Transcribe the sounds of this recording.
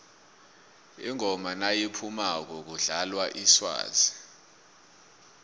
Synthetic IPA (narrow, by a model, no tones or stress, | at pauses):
iŋɔmanajipʰumak̬ɔk̬uɮalwaʔiswa̰ːzi